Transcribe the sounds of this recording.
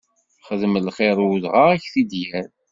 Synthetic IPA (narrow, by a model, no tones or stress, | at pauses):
χəðməlχeɾˤðʁaæçθid̪jæɾ